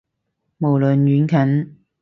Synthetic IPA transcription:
mo˨˩wlɵ˨njyː˨˥nkʰɐ˨˥n

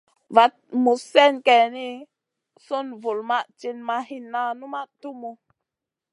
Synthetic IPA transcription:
va˨t̚mu˨sɛ˦nke˨ni˦ | su˦nvu˨lma˦ʔt͡ʃi˧nma˧hi˧nːa˧nu˦ma˦ʔtu˦mu˧

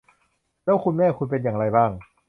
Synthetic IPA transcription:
lɛː˦˥˩wkʰu˧nmɛː˥˩kʰu˧npe˧njaː˨˩ŋɾa˧jbaː˥˩ŋ

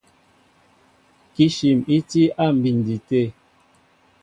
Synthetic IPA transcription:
ki˦ʃi˨mi˦ti˦a˦˨m̩˨bi˨n˨di˨te˦˨

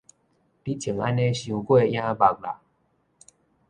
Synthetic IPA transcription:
pi˦t͡ɕʰi˨˩ŋa˦nẽ˦ɕu˧kwe˥˧˨j̃ã˦ba˨k̚la̰˨

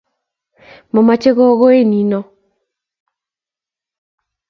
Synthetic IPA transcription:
mɔ˨ma˨t͡ʃe˦ɣɔ˦ɣo˦e˦˨ni˨nɔ˦

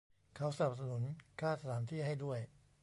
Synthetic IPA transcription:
kʰa˦˥wsa˧na˨˩p̚sa˧nu˩˦nkʰaː˥˩t̪̚sa˧t̪ʰaː˩˦nt̪ʰiː˥˩ɦa˥˩jdu˥˩əj

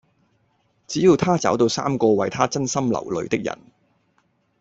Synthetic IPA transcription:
t͡siː˨˥jiː˨˧wt̪ʰaː˥t͡sɐ̰˨˥wt̪o˧wsa̰ː˥mkɔː˧wɐ˨jt̪ʰaː˥t͡sɐ˥nsɐ˥mlɐ̰˨˩wlɵ̰˨˧ɥt̪ɪ˥k̚jɐ̰˨˩n

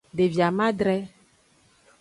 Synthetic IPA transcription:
ɖe˨vi˨a˨mã˦d̪ɾɛ˦

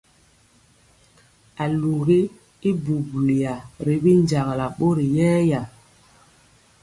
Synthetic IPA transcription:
a˨lu˨ɣi˦ | i˦bu˨bli˨a˨ɾi˨bi˦n˦d͡ʒa˨ŋ˨la˨ɓo˦ɾi˨jɛː˦ja˨

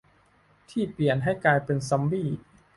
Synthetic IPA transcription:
t̪ʰiː˥˩pli˨˩ənɦa˥˩jkaː˧jpe˧nsa˦˥mbiː˥˩

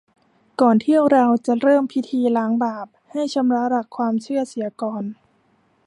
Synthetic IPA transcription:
kɔː˨˩nt̪ʰi˥˩əwɾa˧wt͡ɕa˨˩ɾɤː˥˩mpʰi˦˥t̪ʰiː˧laː˩˦˥ŋbaː˨˩p̚ha˥˩jt͡ɕʰa˧˦mɾa˦˥ɾa˧˩kʰːwaː˧mt͡ɕʰɯ˥˩əsi˩˦ɐkɔː˧n

